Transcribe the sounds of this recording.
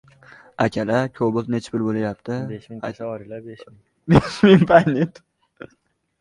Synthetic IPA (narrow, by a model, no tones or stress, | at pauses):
akʲʰalakʲʰobʊlnet͡ʃʰbɪɾbolajap̚t̪ʰɪeaɾɪlabeʃ | beʃmɪŋpʰajnet̪